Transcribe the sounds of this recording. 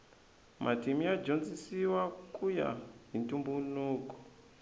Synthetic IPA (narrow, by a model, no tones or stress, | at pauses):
mʔatimiad͡ʒond͡zisiwakuja̰ɦintumbunuːkɔ̥